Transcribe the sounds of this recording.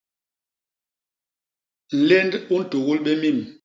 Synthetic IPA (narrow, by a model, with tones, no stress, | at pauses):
n̩˨lɛ˦ndu˦n̩˦˨to˨ɣu˦lɓɛ˦mi˦˨m